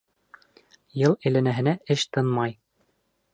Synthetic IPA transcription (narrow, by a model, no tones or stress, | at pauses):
jɤlˠɘ̆jlænæɦɘ̆næɘʃt̪ɤnmɑj